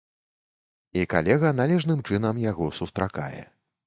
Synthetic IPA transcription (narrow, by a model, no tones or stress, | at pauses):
ika̰lʲɛɣɐnalʲɛʐnɨmt͡ʂɨn̪ɐmjaɣɔsust̪ɾaka̰jɛ̰